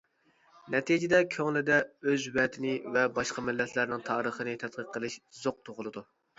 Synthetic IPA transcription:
nɛt̪ʰid͡ʒɪd̪ɛkʲʰøŋlɪd̪ɛøzwɛt̪ʰɪnɪvɛbɑʃqɑmɪlːɛt̪ʰlæɾnɪŋt̪ʰɑːɾəχənɪt̪ʰɛt̪̚qəqʰːəlˠɨʃzoq̚t̪ʰoʁʊlˠɨd̪u

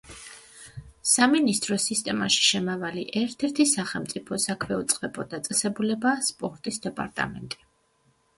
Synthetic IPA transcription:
saminist̪ʼɾɔsist̪ʼɛmaʃi̥ʃɛmavaliʔɛɾt̪ʰɛɾt̪ʰisaχɛlˠmt̪sʼipʰɔsakʰwɛut̪sʼqʼɛbɔd̪at̪sʼɛsɛbulɛbaspʼɔɾt̪ʼisd̪ɛpʼa̰ɾt̪ʼa̰mɛ̰nt̪ʼi̥

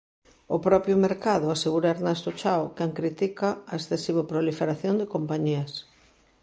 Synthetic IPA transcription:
ʊpɾɔpjʊmeɾkaðʊaseɣuɾaeɾnɛst̪ot͡ʃawkɛŋkɾit̪ikɐɐesθesiβ̞opɾolifeɾaθjond̪ɪkompaɲiɐs

